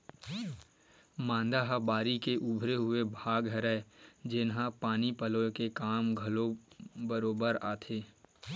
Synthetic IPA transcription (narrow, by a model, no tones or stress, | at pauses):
mãːnd̪aɦabaːɾikeʔʊbʱɾeɦʊebʱaːɡɦəɾɛd͡ʒɪnɦãpaːnipəlõkekaːmɡʱɐlobəɾoːbəɾa̰ːt̪ʰeː